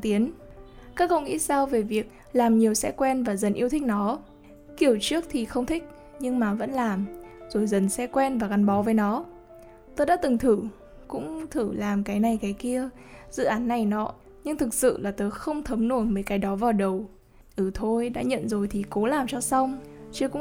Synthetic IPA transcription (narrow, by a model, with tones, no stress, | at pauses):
t̪i˨˦ənkaː˦˥k̚kə̰˧˨wŋḭ˧˥saː˧wve˨˩vi˨˩ək̚ | laː˨˩mɲi˨˩əwsɛ̰˧˥kwɛ˧nvaː˨˩zə˨˩nʔi˧ət̪ʰï˦˥k̟̚nɔ˨˦ | ki˧˩əwt͡ɕɨ˦˥ək̚t̪ʰi˨˩xə˧wŋ͡mt̪ʰï˦˥k̟̚ | ɲɨ˧ŋmaː˨˩və̰˧˥nlaː˨˩mz̥o˨˩jzə˨˩nsɛ˧˥kwɛ˧nvaː˨˩ka˨˩nɓɔ˨˦vəː˨˦jnɔ˨˦ | t̪o˧jɗa̰ː˧˥t̪ɨ˨˩ŋt̪ʰɨ˧˩ | kʊ̰˧˥ŋ͡mt̪ʰɨ˧˩laː˨˩mkaː˨˦jna˨˩jkaː˨˦jki˧ə | z̥ɨ̰˧˨ʔaː˨˦nːa˨˩jnɔ̰˧˨˦ | ɲɨ˧ŋt̪ʰɨ˨˩k̚sɨ̰˧˨laː˨˩t̪o˧jxə˧wŋ͡mt̪ʰə˨˦mnu˧˩nməː˨˦jkaː˨˦jɗɔ˨˦vaː˨˩wɗə˨˩w | ʔɨ˧˩t̪ʰo˧jɗa̰ː˧˥ɲə̰˧˨nzo˨˩jt̪ʰi˨˩ko˨˦laː˨˩mt͡ɕɔ˧sa˧wŋ͡mt͡ɕɨ˧əkʊ̰˧˥